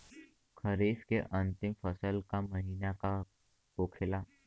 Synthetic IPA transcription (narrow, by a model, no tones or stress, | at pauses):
kʰəɾeskeʔənt̪imfəsəlkaməɦinaka | kokʰela